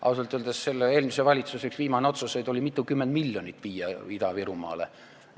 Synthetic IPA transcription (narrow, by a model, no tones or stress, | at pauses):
ʔɑ̰wselt̪yld̪̥esse̞lːee̞ːlmisevɑlʲit̪suse̞ksviːmɑneo̞t̪susejd̪̥o̞lʲimit̪ːˑukymːend̪milʲːjonʲit̪ːˑviːjɑid̪ɑviɾumɑ̰ːlḛ